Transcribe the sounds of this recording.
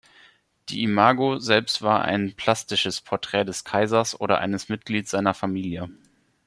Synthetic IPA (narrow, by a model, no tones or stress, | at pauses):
d̥ḭːimaːɡozɛlpstv̥aːɐʔa̰ɪnpʰl̥astɪʃəspʰɔɐtʁ̥ɛːdɛskʰaɪzɐsʔoːɾɐ̰ʔa̰ɪnəsmɪt̚ɡ̥liːtz̥aɪnɐfamiːljə